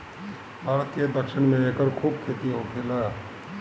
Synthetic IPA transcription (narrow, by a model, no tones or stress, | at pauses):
bʱaːɾət̪ked̪əkʃɪɽmẽekəɾkʰuːb̚kʰeːt̪iɦokʰela